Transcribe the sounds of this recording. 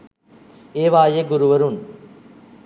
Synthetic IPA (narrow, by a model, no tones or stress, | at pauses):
eːʋaːjeɡʊɾuʋɐɾun